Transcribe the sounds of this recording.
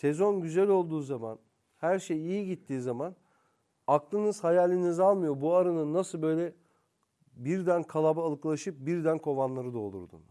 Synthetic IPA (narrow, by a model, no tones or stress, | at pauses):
sɛzo̞nɟyzælʲo̞lˠd̪uːzama̰n | hæɾʃejijiɟit̪ʰːiːzaman | aklˠɯnɯz̥hajalʲːinizalˠmɯjo̞buaɾɯnɯnːasɯlˠbø̞jlʲɛ | biɾd̪ænkʰalˠabalˠɯklˠaʃɯp̚biɾd̪ænkʰo̞vanlˠaɾɯd̪olˠṵɾd̪ṵn